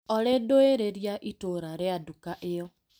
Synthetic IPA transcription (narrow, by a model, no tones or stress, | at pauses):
ɔɾedoeɾeɾjaʔitoɾaɾeadukaʔejɔ